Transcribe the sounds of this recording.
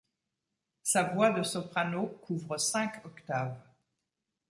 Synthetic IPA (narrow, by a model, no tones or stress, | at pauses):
savwad̪əsɔpχanokʰuvʁəsɛ̃kɔkt̪avʁ